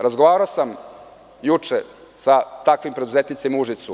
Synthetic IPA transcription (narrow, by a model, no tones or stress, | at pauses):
ɾazɡoʋaːɾaosam | jut͡ʂe | sat̪akʋimpɾe̞d̪uzet̪nit̪semuʒit̪su